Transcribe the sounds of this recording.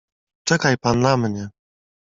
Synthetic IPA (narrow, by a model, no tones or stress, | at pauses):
t͡ʂɛkajpanːamɲɛ